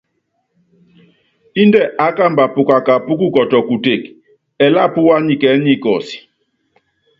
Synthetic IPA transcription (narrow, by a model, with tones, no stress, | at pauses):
i˦ndɛ˦˨ʔa˨˦ka˦˨mba˨pu˨ka˨ka˨pu˦ku˦kɔ˨tɔ˨ku˨te˨k | ɛ˨la˦pu˦wa˦ɲi˨kɛ˨˦ɲi˦kɔ˨si̥˨